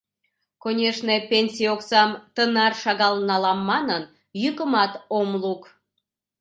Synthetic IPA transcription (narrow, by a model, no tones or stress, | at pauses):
konʲeʃnepʲenʲsʲioksɑmt̪ənɑrʃɑɣɑlnɑlɑmːɑnən | jykəmɑt̪omluk